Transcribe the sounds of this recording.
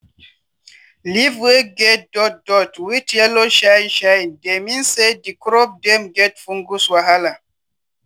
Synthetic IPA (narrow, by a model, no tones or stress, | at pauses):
liveɡɛt̚dɔt̚dɔtwitɛloʃainʃandeminsedikɾɔp̚dɛmɡɛt̚fuŋɡuswaɦala